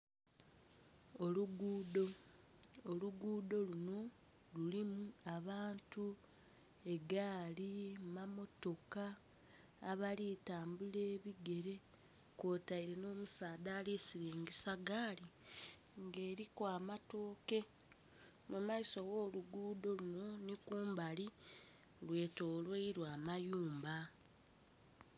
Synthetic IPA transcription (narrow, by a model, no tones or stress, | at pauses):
oluɡuːdo̞ː | luɡuːdo̞luno̞ | lulimuaβaːntu | e̞ɡaːlimamo̞to̞kaː | βaliːtaːmbule̞ːβiɡe̞ɾe̞ | koːtaiɾeno̞ːmusaːdaːlesiɾiːŋɡisaɡaːli | ŋɡe̞ːɾikwaːmato̞ːke̞ | mumaiso̞ɣo̞ːluɡuːdo̞luno̞nikuːmbali | lwe̞ːto̞ːlweiɾwaːmajuːmba